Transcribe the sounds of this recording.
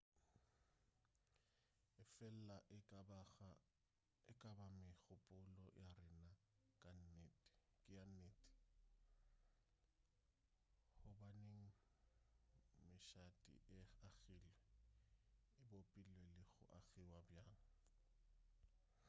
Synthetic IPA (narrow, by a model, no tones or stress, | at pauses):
ɪfɛl̩la | ɪkʼabamɪɣʊpʼʊlɔ̰jarɪna | kʼa | kʼɪjaneːtʼi̥ | hʊbaneŋ̩ | mɪʃatʼḭʔɪaɣilwɛ | ɪbopʼilɛlɪɣʊʔaɣiwabjaːŋ̩